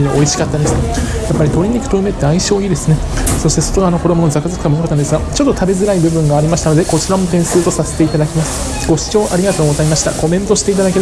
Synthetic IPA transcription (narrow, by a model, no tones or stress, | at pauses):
ida̰ʔo̞iɕi̥kat̪ːand̪esɨn | japːaɾʲit̪o̞ɾʲiɲ̟ikɯ̟̥t̪o̞ɯ̟me̞t̪ːeaiɕo̞ːiːd̪e̞sɨne̞ | so̞ɕi̥t̪e̞so̞t̪oɡaːno̞ko̞d̪o̞mo̞no̞zakɯzakɯ̟̥kamookat̪ːand̪sɨɡat͡ɕo̞t̪ːo̞t̪ʰabe̞zɨɾaibɯ̟bɯ̟̃ŋɡaːɾʲimaɕi̥t̪anod̪e̞ko̞t͡ɕiɾamo̞t̪ẽ̞ɰ̃sɨːt̪o̞sase̞̥t̪e̞it̪ad̪akʲimasɨ̥ | ɡo̞ɕi̥t͡ɕo̞ːʔaɾʲiɡat̪o̞ːɡozaimaɕi̥t̪ako̞mẽ̞nt̪o̞ɕi̥t̪e̞it̪ad̪ake